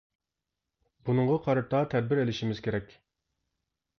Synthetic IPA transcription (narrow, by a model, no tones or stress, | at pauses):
bunɨŋʁɑqʰɑɾɨt̪ʰɑt̪ʰɛd̪̚bɪɾelɪʃimɪz̥kʲeɾɛkʲ